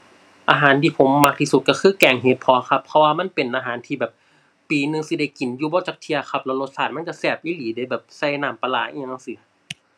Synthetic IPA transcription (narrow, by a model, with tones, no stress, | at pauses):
ʔaː˧ɦaː˨˦nt̪ʰiː˧pʰo˩˦mːa˧˥k̚t̪ʰiː˧su˧˦t̪̚ka˧˩kʰɯː˧˥˩kɛː˨˩ŋɦeː˨˦t̪̚pʰɔː˧˦kʰa˧pʰːɔ˧waː˧ma˧˥˨npe˨˩nʔaː˧ɦaː˨˦nt̪ʰiː˧bɛː˨˩p̚ː | iː˨˦nɯ˧ŋsi˧˩da˧˩jki˨˩njuː˧bɔː˧˦t͡ɕaː˨˩k̚t̪ʰi˧ɐkʰa˧˩p̚lɛ˧˩lo˧˦t̪̚saː˧˩t̪̚ma˥˨ka˧˩sɛː˧˩p̚ʔiː˧˥˨liː˨˦da˧˩jbɛː˨˩p̚sa˧˩jnaː˧˩mpa˧laː˧˩˦ʔi˧a˧ŋʔa˧˨sɯ˧˦